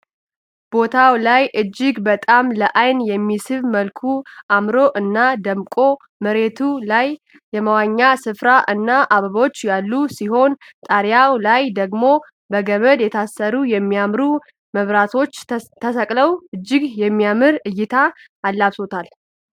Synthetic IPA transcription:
b̥o̞t̪ʰawlajʔɨd͡ʒːɪɡbət̪ʼamləʔajnjɛmːisɨβməlkʰuʔamɾo̞ʔɨnːad̪əmkʼo̞ | məɾe̞t̪ʰulajː | ɛməwaɲːasɨfɾaʔɨnːaʔaβəβo̞t͡ʃːjalːusiɦo̞n | t̪ʼaɾjawlajd̪əɡmo̞ | bəɡəβəd̪jɛt̪ʰasːəɾujɛmːijamɾu | məβɾat̪ʰo̞t͡ʃːt̪ʰəsəkʼləwɨd͡ʒːɪɡjɛmːijamɨɾɨjːɪt̪ʰaː | lːaβso̞t̪ʰal

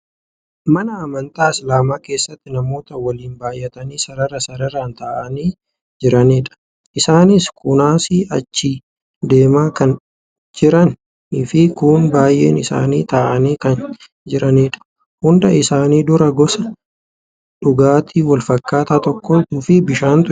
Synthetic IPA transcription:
mɐnɐːmɐnt̪ʼaːɪslaːmaːke̞ːsːɐt̪ːɪnɐmo̞ːt̪ɐwɐliːnbaːjɛt̪ɐniːsɐɾɐɾɐsɐɾɐɾaːnt̪aːʔɐniː | d͡ʒɪɾɐniːᶑɐ̥ | ʔɪsaːnɪskʼʊnaːsiːʔɐ̰t͡ʃːiː | d̪e̞ːmaːkɐn | d͡ʒɪɾɐn | ɪfɪkʊnbaːjʔe̞ːnɪsa̰ːniːt̪aːʔɐniːkɐn | d͡ʒɪɾɐniːᶑɐ̥ | hʊnd̪ɐɪsaːniːd̪ʊɾɐɡɔsɐ | ᶑʊɡaːt̪ʰiːwɐlfɐkːaːt̪aːt̪ɔkːoːt̪uːfɪbɪʃaːnt̪ʊ

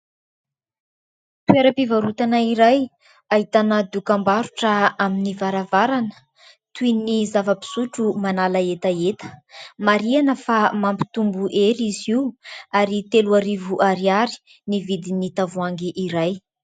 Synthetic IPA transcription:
t̪weɾəpivaɾut̪anaiɾaj | aɦit̪anəd̪ukambaɾuʈ͡ʂəaminivaɾavaɾanə̥ | t̪uinizavəpi̥suʈ͡ʂumanalaet̪aet̪ə̥maɾianəfamampi̥t̪umbuʔeɾiziuaɾit̪eluaɾivuʔaɾiaɾi̥ | nivid̪init̪avuaŋɡiʔiɾaj

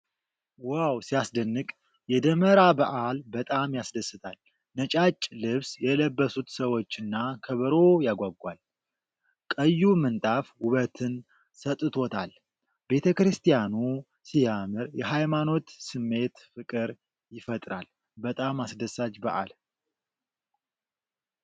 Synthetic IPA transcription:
wawsijasd̪ənːɨkʼ | jɛd̪əməɾabəʔalbət̪ʼamjasd̪əsɨt̪ʰal | nət͡ʃʼat͡ʃʼːlɨβsjɛləbːəsut̪səwo̞t͡ʃːɨnːakʰəβəɾo̞jaɡʷaɡʷal | kʼəjːumɨnt̪ʼafwʊβət̪ʰɨn | sət̪ʼːɨt̪ʰo̞t̪ʰal | be̞t̪ʰəkɾɨst̪ʰijanu | sijamɨɾjɛɦajmano̞t̪sɨmːe̞t̪fɨkʼɨɾ | jɪfət̪ʼɾa̰l | bət̪ʼamasd̪əsːat͡ʃbə̰ʔa̰l

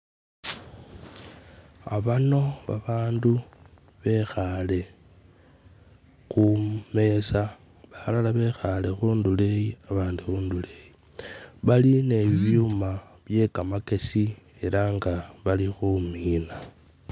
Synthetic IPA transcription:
a̰βano̞βaβaːndu | βe̞xale̞ | xume̞sa | βalalaβe̞xale̞xuːndule̞jiaβaːnduxuːndule̞ji | βaline̞ββjuuma | βje̞kamake̞si | e̞ɾaŋɡaβalixumiːna

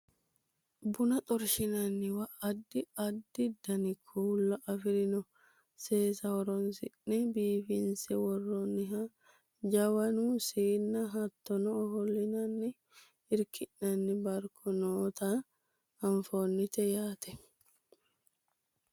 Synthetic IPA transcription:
bʊnɐt̪ʼɔɾʃɪnɐnːɪwɐʔɐd̪ːɪɐd̪ːɪd̪ɐnɪkʰuːlːɐʔɐfɪɾɪnɔ | seːsɐhɔɾɔnsɪnːɛbiːfɪnsɛwɔrːonɪɦɐ | d͡ʒɐwɐnusiːnːɐɦɐt̪ːɔnɔːhɔlːɪnɐnːɪ | ɪɾkɪʔːɐnːɪbɐɾkʰɔnoːt̪ɐ | ɐɱfoːnːɪt̪ɛjaːt̪ɛ

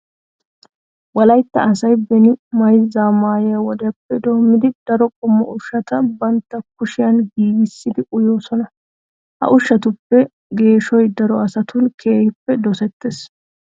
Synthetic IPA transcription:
wɐlɐjt̪ːɐ̰ɐsɐjbɛnɪmɐjzaːmaːjɛjɐwɔd̪ɐjɐpːɛd̪o̞ːmːɪd̪ɪd̪̥ɐɾɔkʼʊmːɐʔʊʃːɐt̪ɐbɐnt̪ːɐkʊʃɪjɐnɡiːɡɪsːɪd̪ɪʔʊjo̞ːsɔnɐ | hɐ̰ʔʊʃːɐt̪ʊpːɛ | ɡe̞ːʃɔjd̪ɐɾɔɐsɐt̪ʊnkʰeːhɪpːɛd̪ɔsɛt̪ːes

